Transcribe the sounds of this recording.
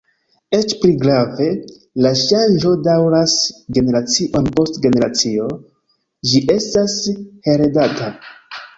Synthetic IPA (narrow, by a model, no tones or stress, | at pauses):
e̞t͡ʃpliɡɾave̞ | laʃand͡ʒo̞dawɾasɡe̞ne̞ɾat͡siʔo̞npo̞stɡe̞ne̞ɾat͡sio̞ | d͡ʒiʔe̞stashe̞ɾedata